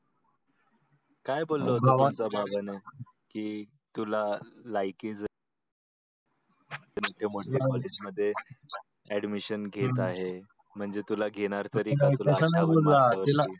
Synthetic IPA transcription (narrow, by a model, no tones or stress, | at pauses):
kajbolːəut͡sababʱane | kiː | t̪ulalajkiːd͡z | emoʈʰemoʈʰekɔled͡ʑməd̪ʱːje | ɛɖmiɕənɡʱet̪aɦe | m̤əɳd͡zet̪ulaɡʱeɽ̃aɾt̪əɾiːat̪uləasanbollaəilai